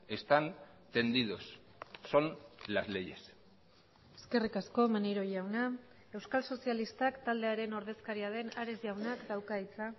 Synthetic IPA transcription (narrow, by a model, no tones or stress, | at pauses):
e̞st̪an | t̪e̞nd̪iðosː | o̞nlazle̞je̞s | e̞̥ske̞rikasko̞maneɾo̞ʝawna | e̞wskalso̞sialist̪akt̪ald̪e̞aɾe̞no̞ɾð̞e̞skaɾiað̞e̞naɾe̞zʝawnakd̪awkait͡sa